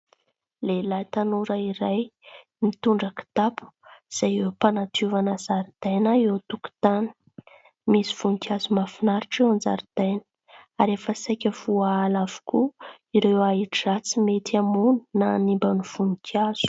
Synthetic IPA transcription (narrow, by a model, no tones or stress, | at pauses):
lelajt̪anuɾəiɾaj | mit̪uɳɖ͡ʐaki̥t̪apu̥z̥ajepanat̪ʰuvanəzaɾid̪ajnaewt̪uku̥t̪anə̥ | misi̥v̥uŋkʰʲiazumafinaɾiʈ͡ʂewand͡za̰ɾid̪̥ajnə̥ | aɾefəsajkʲəv̥uaalavu̥ku | iɾewaiʈ͡ʂiat͡simet̪iamunu̥nanimbanuv̥uŋikʰjaz̥u̥